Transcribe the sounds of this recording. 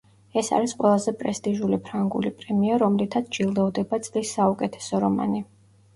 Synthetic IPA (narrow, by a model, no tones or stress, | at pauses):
ɛsa̰ɾisqʼwɛlˠazɛpʼɾɛst̪ʼiʒulipʰɾaŋɡṵlipʼɾɛmiaɾɔmlit̪ʰat̪sd͡ʒilˠd̪ɛvd̪ɛbat̪sʼlisːaukʼɛt̪ʰɛ̥sɔɾɔma̰ni